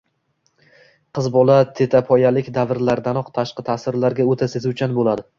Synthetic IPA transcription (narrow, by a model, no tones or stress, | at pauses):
qʰɨzbɒlˠat̪ʰe̞t̪ʰapʰɒjalɪkʲd̪avɾlaɾd̪anɒqt̪ʰaʃqɑt̪ʰasɪɾlaɾɡʲaot̪ʰase̞zʊwt͡ʃʰanbolad̪ɪ